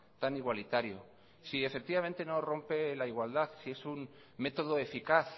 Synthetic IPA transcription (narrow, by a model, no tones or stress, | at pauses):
t̪aniɣwalit̪aɾjo̰ | sie̞fek̚t̪iβament̪e̞no̞ro̞mpe̞laiɣwald̪aθsie̞sun | me̞t̪o̞ð̞oefikaθ